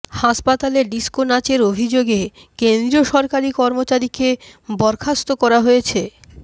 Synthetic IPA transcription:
haʃpat̪aleɾɖiskonat͡ɕeɾobʱid͡ʑoɡe | kend̪ɾioʃɔɾkaɾikɔɾmot͡ɕaɾikebɔɾkʰast̪okɔɾaɦojet͡ɕʰe

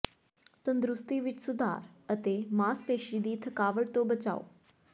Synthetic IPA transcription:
t̪ənd̪ɾust̪iʋit͡ʃsud̪ʱa̰ːɾət̪emaːspeːʃiːd̪iːt̪ʰəkaːʋəɽt̪obət͡ɕa̰ːo̰

